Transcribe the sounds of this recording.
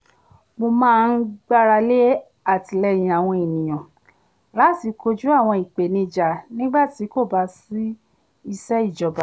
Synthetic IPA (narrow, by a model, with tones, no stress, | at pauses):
mo˧mãː˦˧n̩˦ɡ͡ba˦ɾa˧le˦ | a˦˨ti˨lɛ˧˦j̃ĩ˨a˨w̃ɔ̃˧i˨nĩ˨j̃ã˨ | la˨˦ti˧˦ko˧d͡ʒu˦a˦˨w̃ɔ̃˧i˨k͡pe˨nĩ˧d͡ʒa˨nĩ˦ɡ͡ba˦˨ti˨˦ko˦˨ba˨˧˦si˦ | i˧sɛ˦i˦˨d͡ʒɔ˨ba˨